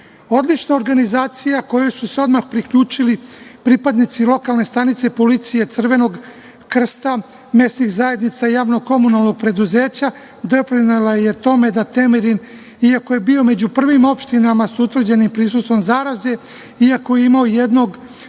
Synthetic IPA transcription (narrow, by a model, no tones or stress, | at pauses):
o̞d̪lit͡ʃnao̞ɾɡanizaːt̪sijako̞josuse̞o̞d̪maxpɾikʎuːt͡ʃilipɾipad̪nit̪silˠo̞kalˠne̞st̪anit̪se̞po̞lit̪sije̞t̪sɨr̩ʋe̞no̞ɡ | kr̩st̪a | me̞st̪nixzaje̞d̪nit̪saijaːʋnoɡko̞munalˠno̞ɡ̚pɾe̞d̪uze̞ːt͡ɕa | d̪o̞pɾinelajet̪o̞me̞d̪at̪e̞miɾin | iako̞je̞bio̞me̞d͡ʑupr̩ʋimo̞pʃt̪inamasuut̪ʋr̩d͡ʑe̞nimpɾis̬ust̪ʋo̞mzaːɾaze̞ | iakoje̞imaoje̞d̪no̞ɡ